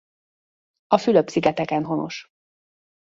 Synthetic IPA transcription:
ɒfyløpsiɡɛt̪ɛkɛnɦo̞no̞̰ʃ

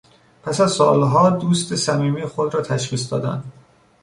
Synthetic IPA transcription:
pʰæsæzsɒːlɦɒːd̪uːst̪esæmiːmixod̪ɾɒːt̪ʰæʃχiːs̬d̪ɒ̰ːd̪æ̰nd̪̥

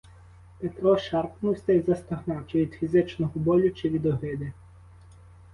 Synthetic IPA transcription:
pet̪ɾɔʃɑrpnuwsʲt̪ɐjzɐst̪ɐɦnɑwt͡ʃɪʋʲid̪̥fʲizɪt͡ʃnɔɦɔbɔlʲʊt͡ʃɪʋʲid̪ɔɦɪd̪ɪ

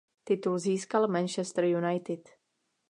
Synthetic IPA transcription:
t̪ɪt̪ulziːskalmɛnt͡ʃɛst̪r̩junajt̪ɪt̪

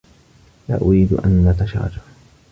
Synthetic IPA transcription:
la̰ːʔʊɾiːd̪ʔa̰nʔat̪aʃa̰ːd͡ʒa

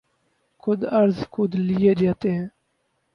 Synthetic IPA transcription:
kʰʊd̪əɾzxʊd̪lijeːd͡ʒaːt̪eɦɛ̃ː

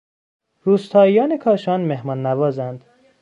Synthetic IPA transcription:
ɾuːst̪ʰɒːijɒːnekʰɒːʃɒːnmehmɒːnːævɒːzænd̪̥

